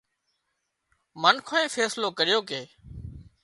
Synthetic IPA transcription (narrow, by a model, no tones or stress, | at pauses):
mənkʰoẽːfeːsloːkəɾɪjoːkeː